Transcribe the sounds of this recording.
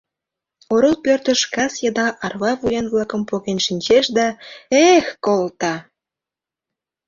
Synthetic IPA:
oɾəlpørt̪ə̆ʃkɑsjɑd̪ɑʔɑrβɑβujenβlɑkə̆mpoɣenʃinʲt͡ɕeʃd̪ɑexkolt̪ɑ

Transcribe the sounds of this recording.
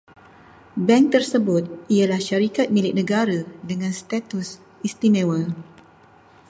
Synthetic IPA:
bɛ̃ŋ̚t̪ərsəbʊt̪̚ialahʃaɾikat̪̚milɪk̚nə̃ɡaɾadəŋãnst̪at̪us | ist̪imɛ̃wə

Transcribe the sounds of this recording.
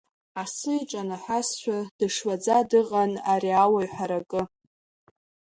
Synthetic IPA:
asɨiʈ͡ʂʼanaħʷasʃʷᶣad̥ɨʂwad͡zadɨqʼanaɾiawaɥħʷaɾakʼɨ

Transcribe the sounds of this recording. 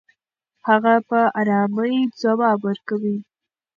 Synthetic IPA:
haɣapəʔaɾɑməjd͡zawɑbwəɾkawi

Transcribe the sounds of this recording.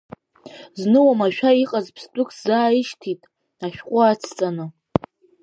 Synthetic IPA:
znɨwamaʃᶣaiqʼazpʰstʼʊkʰzaːɪʃtʰitʼ | aʃᶣqʷʼʊat͡sʰt͡sʼanɨ

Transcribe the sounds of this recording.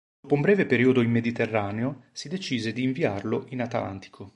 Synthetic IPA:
d̪opoumbɾɛːvepeɾiːod̪oimːed̪it̪erːaːneosid̪et͡ʃiːzed̪iːɱviarloʔinat̪a̰lʔa̰nt̪ʰi̥kʰo

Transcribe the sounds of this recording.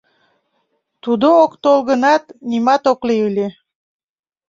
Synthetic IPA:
t̪ud̪ookt̪olɣənɑt̪nimɑt̪okleɯlʲe

